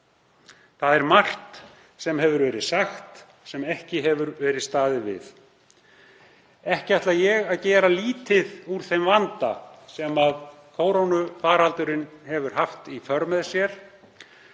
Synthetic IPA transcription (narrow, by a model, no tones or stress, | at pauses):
θaðɛɾmar̥t̪ | sɛmɦɛvʏɾvɛːɾɪðsaxt̪ | sɛmɛhcɪɦɛvʏɾvɛːɾɪðst̪aːðɪvɪ̰ð | ɛhcɪaht̪lajɛɣaðcɛːɾaliːt̪ɪðuɾ̥θejmvant̪a̰sɛmað | kʰoːwɾownʏfaːɾhalt̪ʏɾɪnhɛvʏɾ̥haft̪ifœɾmɛðsjɛɾ̥